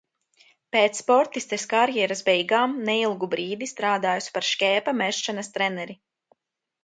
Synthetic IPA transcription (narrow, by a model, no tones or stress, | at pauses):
peːt̪sːpɔɾt̪ist̪ɛskaɾjɛɾazbɛjɡaːmnɛilˠɡubɾiːd̪ist̪ɾaːd̪aːjuspaɾʃkʲɛːpamɛʃʃanɐst̪ɾɛnɛɾi